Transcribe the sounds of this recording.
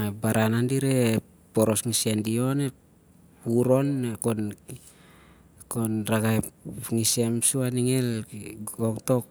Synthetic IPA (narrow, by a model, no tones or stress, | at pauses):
abaɾanandiɾe | poɾo̞sŋisendio̞ne | puɾo̞nekon | konɾaɡajŋisemsuaniŋel | oŋto̞k̚